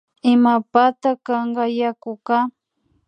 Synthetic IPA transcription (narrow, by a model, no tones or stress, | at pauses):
ɪmapat̪akɑɴɢɑjakʊka